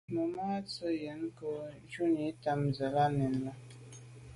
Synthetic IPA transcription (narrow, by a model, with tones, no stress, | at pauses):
mə˨maː˦t͡sə˦jə˨˦n˦ko˦ | t͡ʃu˦ni˨˦ta˦mzə˨la˦nɛ˨n˦la˦